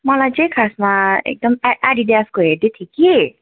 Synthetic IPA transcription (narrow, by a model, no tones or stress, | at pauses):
mʌlajt͡sʌ̃ĩkʰasmaḛk̚d̪ʌmaaɽid̪jaskoɦeɾd̪et̪ʰjiki